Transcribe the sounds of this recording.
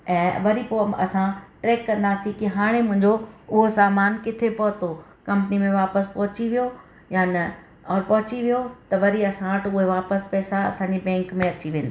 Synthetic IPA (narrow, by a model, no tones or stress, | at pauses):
ɛ̃ːʋɐɾipoːɐsãʈɾɛːkːɐ̃nd̪aːsikiɦaːɽ̃emʊ̃ɦɪ̃ɲd͡ʑoʊɦosaːmaːnkɪt̪ʰepɐɦʊt̪o | kɐ̃mpnimẽʋaːpəspɐɦʊt͡ɕiʋijo | jaːnɐ | ɔːɾpɐɦʊt͡ɕiʋijot̪ɐʋɐɾiɐsãʋəʈʊɦeʋaːpəspɛːsaɐ̰sãːɲd͡ʑebɛ̃ːŋkmẽɐt͡ɕiʋẽːnd̪i